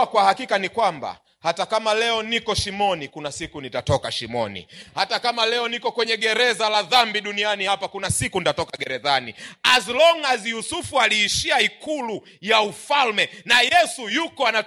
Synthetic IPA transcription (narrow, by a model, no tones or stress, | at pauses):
kwahakikanikwamba̰ | hatakamalɛɔnikɔʃimɔnikunasikunitatɔkaʃimɔ̰nḭhatakamalɛɔnikɔkwɛɲɛɠɛɾɛzalaðambiɗunianihapakunasikunitatɔkaɡɛɾɛðanḭazlɔŋazijusufualiːʃiaikulu | jaufalmɛnajɛsujukɔana